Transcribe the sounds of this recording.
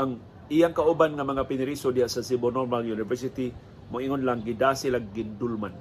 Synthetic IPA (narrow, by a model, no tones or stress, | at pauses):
ʔaŋ | ʔijaŋkaʔʊbanŋamaŋapɪnɪɾisod̪ihasasɪbonomaljunɪvɛɹsɪt̪i | mʊʔɪŋonlaŋɡɪd̪aːsɪlaɡːɪnd̪ulman